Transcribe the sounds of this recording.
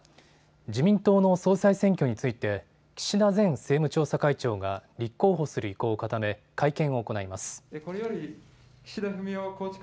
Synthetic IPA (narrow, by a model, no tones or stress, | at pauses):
d͡ʑimʲĩnt̪o̞ːno̞so̞ːsaisẽ̞ŋk̬ʲo̞ɲ̟it͡sɨit̪e̞ | kʲi̥ɕid̪azẽ̞ɰ̃se̞ːmɯ̟t͡ɕo̞ːsakait͡ɕo̞ːɡaɾʲikːo̞ːɦo̞sɨɾɯ̟iko̞ːkat̪ame̞ | kaikẽ̞ɰ̃o̞ːko̞naimasɨ̥ekoɾejoɾʲi | kʲi̥ɕid̪aɸɯ̟mʲiokoːt͡ɕk